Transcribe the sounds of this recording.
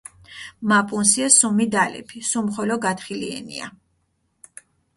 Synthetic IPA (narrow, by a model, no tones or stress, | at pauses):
mapʼunsiasumid̪alɛ̰pʰisumχɔlɔɡat̪χiliɛ̰nḭa̰